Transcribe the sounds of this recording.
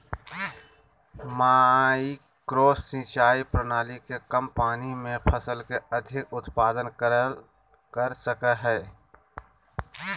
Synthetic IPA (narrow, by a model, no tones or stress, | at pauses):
maːi | kɾoːsːĩːt͡ʃaːipɾənaːlikekəmpaːnimẽpʰəsəlkeəd̪ʱɪkʊt̪paːd̪ənkə | kəɾsəkəɦɛː